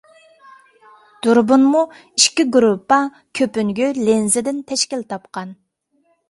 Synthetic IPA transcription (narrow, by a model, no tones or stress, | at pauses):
d̪̥uɾbunmu | iʃkʲiɡɾupʰːɑ | kʲʰøpyŋɡʲylenzɪd̪ɪnt̪ʰɛʃkʲilt̪ʰɑpqɑn